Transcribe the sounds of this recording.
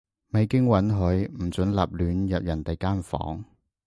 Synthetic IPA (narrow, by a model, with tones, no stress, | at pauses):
me˨˧jkɪ˥ŋwɐ˨˥nɦɵ˨˧ɥm̩˨˩t͡sɵ˨˥nla̰ː˨p̚lyː˨˧njɐ˨p̚jɐ˨˩nt̪e˨jkaː˥nfɔ̰ː˨˥ŋ